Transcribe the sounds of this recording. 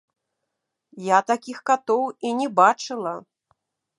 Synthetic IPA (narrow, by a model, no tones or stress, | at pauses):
jat̪akʲixkat̪ɔwinʲɛbat͡ʂɨlˠɐ